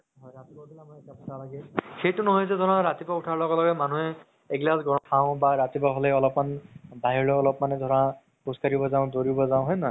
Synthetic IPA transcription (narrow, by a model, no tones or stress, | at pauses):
ɦɔjɹat̪ipɔbilamɔjetapḁsʰalaɡɛxejtʊnɔɦɔjzɛzʱɔnɔɹat̪ipauʈʰaɹlɔɡɔlɔɡɛmanuɦɛː | ɡlasɡɔnɔtʰaʊ̃baɹat̪ipaɦɔlɛɔlɔpmanbaɦiɹɔɔlɔpmanɛd̪ʱɔɹã | puskaɹibɔzaʊ̃doɹibɔzaw̃ɦɔjna